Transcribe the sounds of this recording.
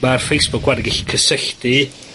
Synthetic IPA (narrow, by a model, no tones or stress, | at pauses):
marfejsb̥ʊkʰwadɪɡɪɬi̥kʰəsəɬdi